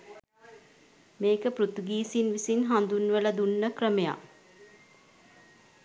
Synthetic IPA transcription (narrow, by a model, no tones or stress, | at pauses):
meːkəprut̪uɡiːsinʋisinɦand̪unʋələd̪unːəkrəmeja̰